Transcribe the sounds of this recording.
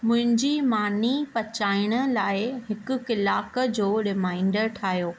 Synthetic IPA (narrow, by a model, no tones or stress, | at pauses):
mʊ̃ɦɪ̃ɲd͡ʑiːmaːnipɐt͡ɕaːɪɽ̃ə̆laːɪɦɪkʊ̆kɪlaːkəd͡ʑoːɾɪmaːɪ̃ɳɖəɾʈʰaːɦijoː